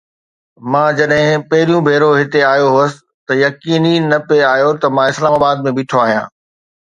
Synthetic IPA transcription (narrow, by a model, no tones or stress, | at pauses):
mãːd͡ʑɐɗɦɪ̃pɐɦɪɾijũbʱeːɾoɦɪt̪eaːjoɦoːəsɪ̥̆ | t̪ɐjɐkiːninɐpeaːjot̪ɐmãɪslaːmaːbaːd̪̚mẽbɪːʈʰoaːɦijãː